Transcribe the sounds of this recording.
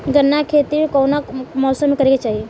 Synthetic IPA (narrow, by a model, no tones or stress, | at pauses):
ɡənːakʰet̪iɾkəwnakmɔːsəmːekəɾeket͡ʃaɦie